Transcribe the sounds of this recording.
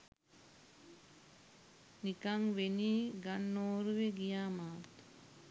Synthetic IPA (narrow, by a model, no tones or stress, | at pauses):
nikaŋʋeniːɡanːoːɾuʋeɡijaːmaːt̪